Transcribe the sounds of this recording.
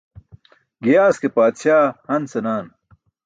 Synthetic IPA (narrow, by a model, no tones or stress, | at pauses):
ɡijaːskepaːt̪ɕaːhɐnsenaːn